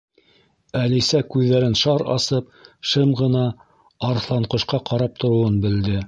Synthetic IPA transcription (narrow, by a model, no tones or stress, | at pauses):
ælisækʉðːæɾɘnʃɑɾɑ̰sɤp̚ʃɤmʁɤ̆nɑː | ɾθlˠɑɴqɤ̆ʃqɑqɑɾɑp̚t̪ŏɾŏwɤnbɘ̆ld̪ɘ